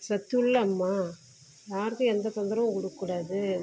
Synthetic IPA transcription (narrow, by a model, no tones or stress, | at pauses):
sɐt̪ːʊɭːɐmːaː | jaːɾɯkːɯ̃ɛnd̪ɐsɔnd̪ɐɾɐʋɐ̃kɔɽɯkːɯɽaːðɯ